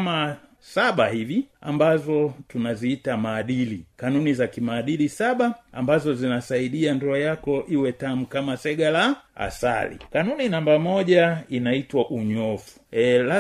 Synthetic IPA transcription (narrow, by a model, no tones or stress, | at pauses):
ma | saɓahivia̰mbazɔtunaziitamaːɗilikanunizakimaːɗilisaɓaambazɔzinasaiɗiandɔajakɔʔiwɛtamukamasɛɡalaa̰sa̰lḭkanuninambamɔʄainaitwaʔuɲɔfu̥la